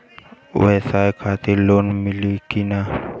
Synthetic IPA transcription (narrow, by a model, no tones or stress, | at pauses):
ṵesajkʰat̪ilonmilikina